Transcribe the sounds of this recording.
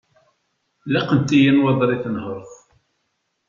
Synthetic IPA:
læqənt̪ijinwɑðˤɾˤiθənhəɾˤθ

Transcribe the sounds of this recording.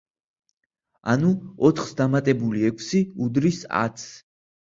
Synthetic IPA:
a̰nuɔt̪ʰχsd̪amat̪ʼɛbuliɛkʰsiud̪ɾisa̰t̪sʰ

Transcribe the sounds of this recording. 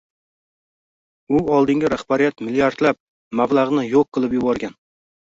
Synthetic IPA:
ʊɒlˠd̪ɪŋɡʲɪɾahbaɾijat̪mɪlijaɾt̪lap̚ | mablˠaʁnɪjoqʰːɨlˠɪpjʊbɒɾɡʲan

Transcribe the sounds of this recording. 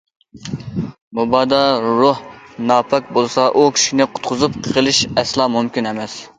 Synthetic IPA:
mubɑːd̪ɑɾʊhnɑːpʰɑk̚ʲbolˠsɑʔukʲʰi̥ʃinɪqʰʊ̥t̪̚qʰʊzupqʰəʁəlˠɪʃɛslˠɑːmumkʲinɛmɛs

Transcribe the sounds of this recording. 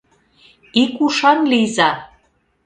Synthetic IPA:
ikuʃɑnlizɑ

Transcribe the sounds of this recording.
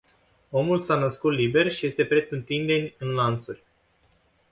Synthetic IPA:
o̞mulsanəskut̪libe̞rʃije̞st̪e̞pɾe̞t̪ɨnt̪ind̪e̞nʲɨnlant̪surʲ

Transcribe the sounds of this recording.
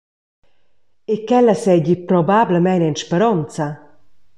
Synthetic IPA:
ekɛlasɛɟipɾɔbabləmɛnɛnʃpeɾɔnt͡sa

